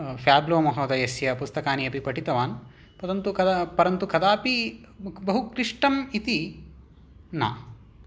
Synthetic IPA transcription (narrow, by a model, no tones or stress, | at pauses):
fjaːbloːmɐɦoːd̪ɐjɐsjɐpust̪ɐkaːniɐpipɐʈit̪ɐʋaːn | pɐd̪ɐnt̪ukɐd̪pɐɾɐnt̪ukɐd̪aːpi | bɐɦukɾiʂʈɐmit̪i | na̰ː